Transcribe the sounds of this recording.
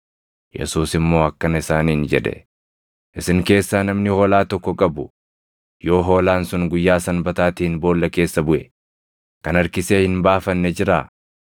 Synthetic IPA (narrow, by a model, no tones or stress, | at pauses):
jɛ̰suːsɪmːoːɐkːɐnɐɪsaːniːnd͡ʒɛ̰ᶑɛ̰ | ʔɪsɪŋke̞ːsːaːnɐmnɪho̞ːlaːt̪ɔkːɔkʼɐbʊ | jo̞ːɦo̞ːlaːnsʊŋɡʊjːaːsɐnbɐt̪aːt̪iːnbo̞ːlːɐke̞ːsːɐbʊʔɛ | kɐnɐɾkɪseːhɪnbaːfɐnːɛd͡ʒɪɾaː